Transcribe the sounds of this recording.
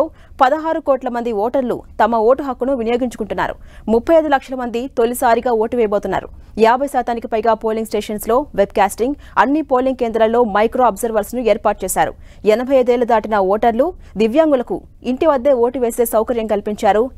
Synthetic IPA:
oː | pɐd̪ɐɦaːɾukoːʈlɐmɐnd̪iɔːʈɐɾlṵt̪ɐmɐoːʈuɦɐkːunuʋinijo̞ːɡiɲt͡ʃu̥kuɳʈunːa̰ːɾṵmupʰːɐjɐd̪ulɐkʂɐlɐmɐnd̪it̪olisaːɾiɡaːoːʈuʋɛːjɐboːt̪unːa̰ːɾṵ | jaːbʱɐjsaːt̪aːnikipɐjɡaːpo̞ːliŋɡsʈeːʂɐnslo̞ːʋeb̚kaːsʈiŋɡ | ɐ̰nːipo̞ːliŋɡ̚ke̞ːnd̪ɾɐllo̞ːmɐjkɾoːɐbzɐɾʋɐɾsnue̞ːɾpaːɾʈ̚t͡ʃeːsaːɾṵ | ɛnɐbʱɐjɐːd̪ɛːlɐd̪aːʈinɐɔːʈɐɾlu | d̪iʋjaːŋɡulɐkṵ | iɳʈiʋɐd̪ːeːoːʈuʋe̞ːse̞ːsɐwkɐɾjɐmkɐlipiɲt͡ʃaːɾu

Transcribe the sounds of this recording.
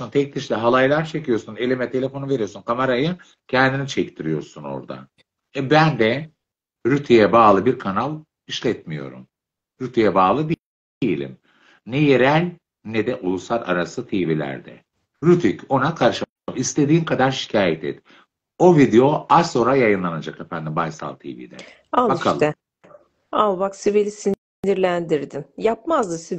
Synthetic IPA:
unt̪ʰɛct̪iʃlʲɛɦalˠajlˠaɾt͡ʃʰecʰijo̞ɾsune̞lʲimɛt̪ʰe̞lʲe̞fonuve̞ɾijo̞sunkʰamaɾajɯ | cʰɛnd̪init͡ʃʰɛct̪ʰiɾijo̞̰ɾsuno̞̰ɾd̪a̰ | ɛbænd̪ɛ | ɾyt̪ʰijɛbaːlˠɯbiɾkʰanalˠ | iʃlʲɛt̪mijo̞̰ɾṵm | ɾyt̪ʰijɛbaːlˠɯd̪i | jilʲḭm | nɛjeɾælʲ | nɛd̪ɛʔulˠusaɾa̰ɾasɯt̪ʰiːvilʲæ̰ɾd̪ɛ̰ | ɾyt̪ʰico̞nakʰaɾʃɯ | amist̪e̞d̪iːnkʰad̪aɾʃi̥cʰaːjɛt̪ʰɛ̰t̪ | o̞vid̪eo̞ao̞ːɾajajɯnlˠanad͡ʒakefænd̪imbajsa̰lˠt̪ʰḭːvḭːd̪ɛ̰ | aakʰalˠɛ | alˠbaksivelʲisi | niɾlʲænd̪iɾd̪imjap̚mazd̪ɯsi

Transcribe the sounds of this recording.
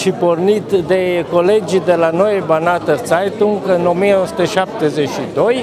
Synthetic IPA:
ʃipornit̪d̪ekoled͡ʒid̪elanoebanat̪əsajt̪uŋkɨno̞mieosu̥t̪əʃap̚t̪ezet͡ʃid̪o̞j

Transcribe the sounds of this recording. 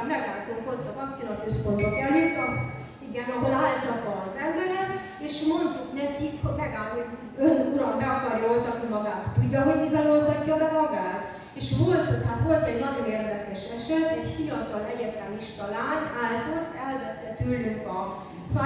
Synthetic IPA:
mɛɡaːlt̪oŋkot̪ːɒvɒkt̪silɒkøspo̞nd̪bokɛlːyt̪ːɒ | iɡɛnɒɦolaːlt̪ɒt̪ːɒːzɛmbɛɾɛt̪ | eːʃmo̞nt̪nɛkikhomɛɡaːlɦoɟ | ønuɾɒmdapɒrjɒolt̪ɒkimɒɡaːt̪ːuɟːɒɦoɟmivɛlolt̪ɒcːɒbɛɾɒɡaːt̪ | eːʃvo̞lt̪ot̪at̪vo̞lt̪ɛɟnɒɟo̞neːrd̪ɛkɛʃɛʃɛt̪ːɛcfijɒt̪ɒlɛɟɛt̪aniʃt̪ɒlaːnaːlt̪ot̪ːɛlvɛt̪ːɛt̪ylnyŋkɒ | fa

